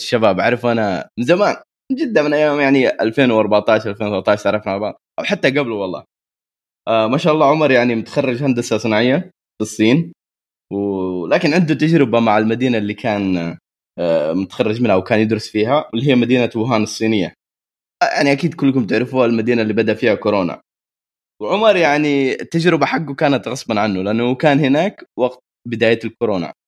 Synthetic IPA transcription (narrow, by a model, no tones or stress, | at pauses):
ʃːabaːbʔaʕɾˤɪfʔanamɪnzamaːn | d͡ʒɪd̪ːamɪnʔajːaːmjaʕniʔa̰lfeːnwʔɑɾˤbaʕt̪ˤɑːʕʃʔalfeːnwθˤbaɑt̪ˤɑːʃt̪aʕɾˤːɑfnaaba̰d̪ | ʔawħat̪ːaɡabluwɑlˤːɑ̰ː | ʔamaːʃaːʔɑlˤːɑːʕʊmɑɾˤjaʕnimʊt̪ḁxɑrˤːɑd͡ʒhand̪asasˤɨnaːʕɪjːa | fɨsˤːiːn | wlaːkɪnʕɪnd̪ut̪ad͡ʒɾɪbamaʕalmad̪iːnalːiːkʰaːn | mʊt̪ḁxɑrˤːɑd͡ʒmɪnhawkaːnjɪd̪ɾʊsfiːɦaɪlːiɦijːamad̪iːnawʊɦaːnɑsˤːiːnɪjːa̰ | ja̰ʕniʔakiːd̪kʊlːkʊmt̪ɪʕɾɪfuːhalmad̪iːnalːiːbad̪aʔfiːhakʊɾoːna̰ | wɪʕʊmɑɾˤjaʕnit̪ːad͡ʒɾɪbaħaɡːukaːnat̪ɣɑsˤbɑnʕanːulɪʔanːʊuːkaːnhɪnaːkwɑɡt̪̚ | bɪd̪aːjalkʊɾoːna̰